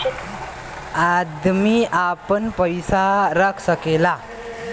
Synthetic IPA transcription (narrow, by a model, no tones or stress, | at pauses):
ad̪miʔapənpəjsaɾəkʰsəkela